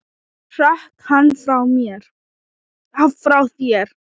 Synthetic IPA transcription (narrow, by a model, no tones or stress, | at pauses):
r̥ahkhanːfɾawmjɛɾ̥ | afɾawθjɛɾ̥